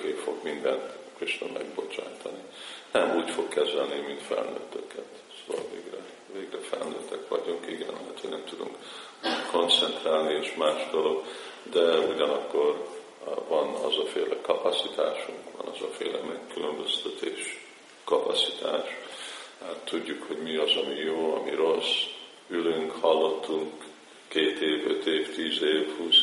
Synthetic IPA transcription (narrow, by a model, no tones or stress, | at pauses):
keːfo̞ɡmind̪ɛnt̪kiʃlɛ̰mɛɡbo̞t͡ʃa̰ːt̪ʰɒninɛmuːcfo̞kːɛzɛlnimint̪fɛ̰lnø̰ːt̪ːøkɛt̪ | soːvɒ̰lveːɡrɛ | veːɡrɛfɛlnøːt̪ːɛkʋɒɟuŋkiɡɛnɦɛt̪ʰeːnɛmt̪ud̪uŋk | uːko̞nt̪sɛnt̪raːlnieːʃmaːʒd̪olo̞ɡd̪ɛuɟɒnɒkːo̞r | vɒnɒ̰zɒfeːlɛkɒpɒsit̪aːʃuŋkʋɒ̰nɒzɒ̰fḛːlɛmɛkːylømbø̞st̪ɛt̪eːʃ | kɒpɒsit̪ʰa̰ːʃ | at̪ʰːuɟːukho̞ɟmiɒzɒmijoːɒ̰miɾo̞s | ylyŋkhɒlːo̞t̪ːuŋkː | eːt̪eːvø̰t̪eːft̪iːzeːvhuːs